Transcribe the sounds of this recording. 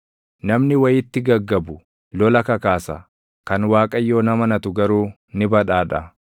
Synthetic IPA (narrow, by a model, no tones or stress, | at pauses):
nɐmnɪwɐjɪt̪ːɪɡɐɡːɐbʊ | lɔlɐkɐkaːsɐ̰ | kɐnwaːkʼɐjːo̞ːnɐmɐnɐt̪ʊɡɐɾuː | nɪbɐᶑaːᶑɐ